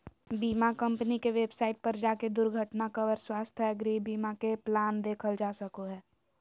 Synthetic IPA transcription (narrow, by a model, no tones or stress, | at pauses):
biːmakɐ̃mpnikeʋeːbsaːɪʈ̚pɐɾd͡ʒaːked̪ʊɾɡʱəʈnakɐʋəɾswaːst̪ʰɦɛɡɾiːbiːmakeplaːnd̪eːkʰəld͡ʒaːsəkoɦɛː